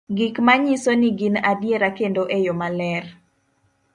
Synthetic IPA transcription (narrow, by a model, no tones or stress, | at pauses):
ɡikmaɲisoniɡinadjeɾakendoʔejomalɛr